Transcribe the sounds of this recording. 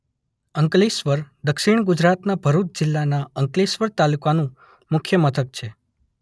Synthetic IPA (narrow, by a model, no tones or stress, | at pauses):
əŋkliʃʋəɾd̪əkʃiɳɡʊd͡ʒɾat̪nabʱəɾut̪̚d͡ʒɪlːanaəŋklisʋəɾt̪alukanũ | mʊkʰjəmət̪ʰək̚t͡ʃʰe